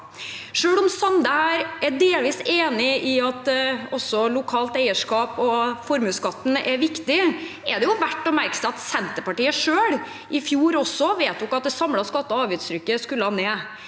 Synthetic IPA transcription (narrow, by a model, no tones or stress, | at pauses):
ʂøːɽɔmsɑnd̪əhæːɾɛɖeːlʋiːseːnɪʔɪɑt̪ɔsɔlʊkʰɑːlt̪æɪəʂkɑːpɔfɔɾmʉːskɑt̪ːn̩ɛʋɪkt̪ɪ | ɛd̪ɛjʊʋæʈːɔmæɾksɑt̪sɛnt̪əɾpɑʈiːəʂøːɽ | ʔɪfjuːɾɔsɔʋeɪt̪̚d̪ʉɔkːɑt̪̚d̪ɛsɑmɽɑskɑt̪ːəɑːʋʉːt̪sɾʏkːəskʉlːəhɑneː